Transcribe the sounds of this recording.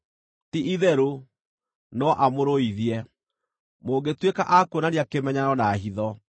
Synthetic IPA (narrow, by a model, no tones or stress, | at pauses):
tiʔiðɛɾo | nɔʔamoɾoiðiɛ | moːŋɡetwekaʔakonaɾeakemɛɲaɾɔnaɦiðɔ